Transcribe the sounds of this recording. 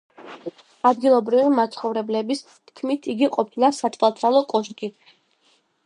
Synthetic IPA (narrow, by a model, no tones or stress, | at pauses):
ad̪ɡilˠɔbɾivimat̪sʰχɔvɾɛblɛbis | t̪ʰkʰmit̪ʰiɡiqʼɔpʰilˠasat̪ʰvalˠt̪ʰɾalˠɔkʼɔʃkʼi